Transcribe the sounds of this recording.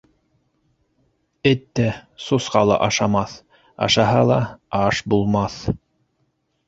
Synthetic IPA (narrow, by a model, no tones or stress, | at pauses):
ɘt̪ːæsusqɑ̰lˠɤ̰ʔɑʃɑmɑθ | ɑ̰ʃɑɦɑlˠɑɑʃbulˠmɑθ